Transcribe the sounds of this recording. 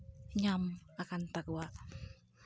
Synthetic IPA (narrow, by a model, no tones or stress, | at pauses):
ɲamakant̪akua